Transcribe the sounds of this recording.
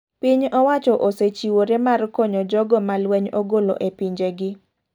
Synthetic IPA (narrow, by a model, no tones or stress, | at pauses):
piɲɔwat͡ʃɔʔoset͡ʃiwoɾemarkɔɲɔd͡ʒɔɡɔmalwɛɲoɡolo̰ʔepiɲd͡ʒeɡɪ